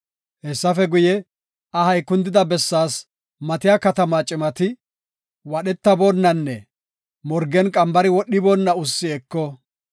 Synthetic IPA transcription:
hɛsːɐfɛɡʊjɛ | ɐhɐjkːʊnd̪ɪd̪ɐbɛsːaːs | mɐt̪ɪjaːkɐt̪ɐmaːt͡ʃʼɪmɐt̪ɪ | wɐɗɛt̪ːɐboːnːɐnːɛ | mɔɾɡɛnkʼɐmbɐɾɪwɔɗːɪboːnːɐʊsːɪɛkːɔ

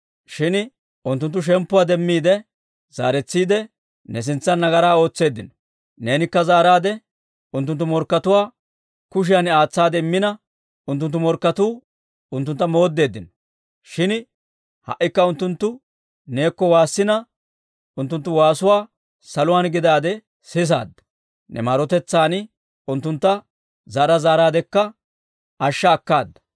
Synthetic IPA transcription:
ʃɪn | ʊnt̪ːʊnt̪ːʊʃ̬ɛmpːʊwaːd̪ɛmːiːd̪ɛ | z̥a̰ːɾɛt͡sːiːd̪ɛ | nɛs̬ɪnt͡sːɐnːɐɡɐɾaːo̞ːt͡sːe̞ːd̪ːɪnɔ̥ | ne̞ːnɪkːɐzaːɾaːd̪ɛ | ʊnt̪ːʊnt̪ːʊmɔɾkːɐt̪ʊwaː | kʊʃ̬ɪjanaːt͡sːaːd̪ɛɪmːɪnɐ | ʊnt̪ːʊnt̪ːʊmɔɾkːɐt̪uː | ʊnt̪ːʊnt̪ːɐmo̞ːd̪ːe̞ːd̪ːɪnɔ | ʃɪn | hɐ̰ʔːɪkːɐʊnt̪ːʊnt̪ːʊ | ne̞ːkːɔwaːsːɪnɐ | ʊnt̪ːʊnt̪ːʊwaːsʊwaː | sɐlʊwaːnɡɪd̪aːd̪ɛ | sɪs̬a̰ːd̪ːɐ̥ | nʔɛ̰maːɾɔt̪ɛt͡sːaːnɪ | ʊnt̪ːʊnt̪ːɐ | zaːɾɐzaːɾaːd̪ɛkːɐ | ʔɐʃːɐːkːaːd̪ːɐ̥

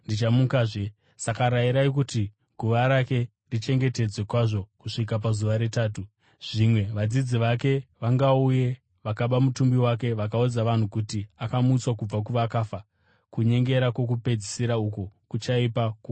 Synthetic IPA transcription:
ndit͡ʃamukaʐe | sakaɾaiɾaikuti | ɡʱuʋaɾake̞ | rit͡ʃe̞ŋɡe̞te̞d͡zwe̞kwaʐo̞kuʂik̬ap̬azuʋaɾe̞taːtu | ʐ̥imwe̞ʋad͡zid͡ziʋake̞ʋaŋɡauje̞ | ʋakaɓamutumbiwak̬e̞ʋak̬aud͡zaʋan̤ukutiakamuːt͡swakub͡vak̬uʋakaːfa | kuɲe̞ŋɡe̞ɾakwo̞k̬upe̞d͡zisiɾaukokut͡ʃaipaku

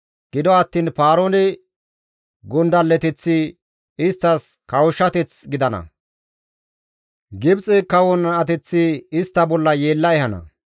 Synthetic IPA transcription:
ɡ̥ɪd̪ɔɐt̪ːiːnpaːɾoːnɪ | ɡʊnd̪ɐlːɛt̪ɪt͡sːi | ɪst̪ːɐs | kɐwʊʃːɐt̪ɛt͡sɡɪd̪ɐnɐ̰ | ɡɪbt͡sʼɪkɐwɔnɐɐt̪ɛt͡sːiɪst̪ːɐbɔlːɐjeːlːɐɛhɐnɐ̰

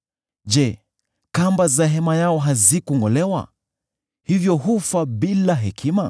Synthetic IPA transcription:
d͡ʒɛ | kambazaɦɛmajaɔɦazikuŋɡɔlɛwa̰ | hivjɔɦufaɓilaɦɛkʰima

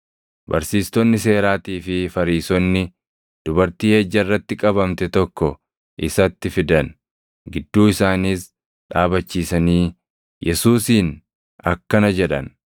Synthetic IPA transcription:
bɐ̰ɾsiːst̪ɔnːɪse̞ːɾaːt̪iːfɪfɐɾiːsɔnːɪ | d̪̥ʊbɐɾt̪iːheːd͡ʒːɐɪrːɐt̪ːɪkʼɐbɐmt̪ɛt̪ɔkːɔ | ʔɪsɐt̪ːɪfɪd̪ɐn | ɡɪd̪ːuːɪsaːniːs | ᶑaːbɐt͡ʃːiːsɐniː | jʔɛsuːsiːn | ɐkːɐnɐd͡ʒɛᶑɐ̰n

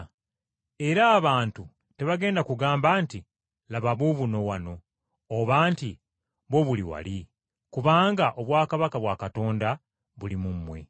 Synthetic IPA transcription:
e̞ɾaːβaːntu | te̞βaɡe̞ːndakuɡaːmbaːnti | laβaβuβuno̞wano̞ː | βaːnti | βo̞βuliwa̰li | kuβaːŋɡaʔo̞βwaːkaβakaβwakato̞ːnda | βulimumːwe̞̰

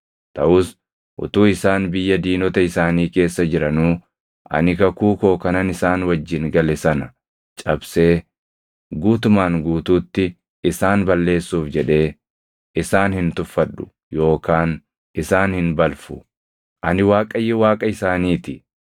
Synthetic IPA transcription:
t̪ɐʔʊs | ʔʊ̰t̪uːɪsaːnbɪjːɐd̪iːnɔt̪ɐɪsaːniːke̞ːsːɐd͡ʒɪɾɐnuː | ʔɐ̰nɪkɐkuːko̞ːkɐnɐnɪsaːnwɐd͡ʒːɪnɡɐlɛsɐnɐ | t͡ʃʼɐbse̞ː | ɡuːt̪ʊmaːŋɡuːt̪uːt̪ːɪ | ɪsaːnbɐlːe̞ːsːuːfd͡ʒɛᶑe̞ː | ɪsaːnhɪnt̪ʊfːɐɗːʊ̥ | jo̞ːkaːn | ɪsaːnhɪnbɐlfʊ | ʔɐnɪwaːkʼɐjːɛwaːkʼɐɪsaːniːt̪ɪ

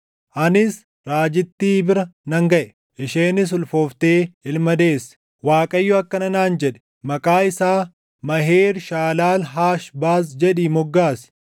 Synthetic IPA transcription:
ʔɐnɪs | ɾaːd͡ʒɪt̪ːiːbɪɾɐnɐŋɡɐʔɛ̥ | ʔɪʃeːnɪs̬ʊlfoːft̪eːɪlmɐd̪e̞ːs | waːkʼɐjːʊɐkːɐnɐnaːnd͡ʒɛᶑɛ̥ | mɐkʼaːɪsaː | mɐɦeːɾʃaːlaːlɦaːʃbaːs̬d͡ʒɛᶑiːmɔɡːaːsɪ̥

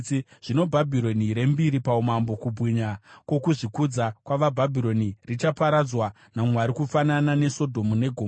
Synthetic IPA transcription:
ʐ̥ino̞bʱabʱiɾo̞niɾe̞mbiɾipaumambo̞kubʱwiɲakwo̞kuʐikud͡zakwaʋabʱabʱiɾo̞nirit͡ʃapaɾad͡zwa | namwaɾikufananane̞so̞dʱo̞mune̞ɡʱoː

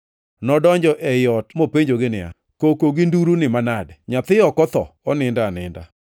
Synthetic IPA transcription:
nɔdɔɲd͡ʒɔʔɛjɔtmopeɲd͡ʒoɡɪnɪa̰ | kokoɡɪnduɾunɪmanadɲat̪ɪɔkɔt̪ɔ̰ɔnɪndanɪ̰nda̰

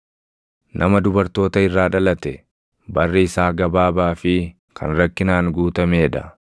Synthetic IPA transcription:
nʔɐmɐd̪ʊbɐɾt̪o̞ːt̪ɐɪrːaːᶑɐlɐt̪ɛ | bɐrːɪɪsaːɡɐbaːbaːfɪ | kʰɐ̰nɾɐkːɪnaːŋɡuːt̪ɐmeːᶑɐ

